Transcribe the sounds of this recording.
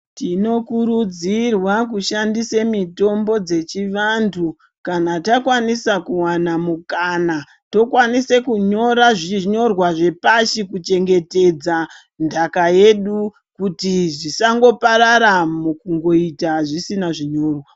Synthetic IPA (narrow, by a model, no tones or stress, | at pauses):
tino̞kuɾud͡zirwak̬uʃandisemito̞mbo̞d͡ze̞t͡ʃiʋandʰu | kanatakwanisakuwanamukana | to̞kwanisekuɲo̞ɾaʐiɲo̞rwaʐe̞paʃikut͡ʃe̞ŋɡe̞te̞d͡za | ndakaje̞ɗu | kutiʐisaŋɡo̞paɾaɾamukuŋɡo̞itaʐisinaʐiɲo̞ːrwa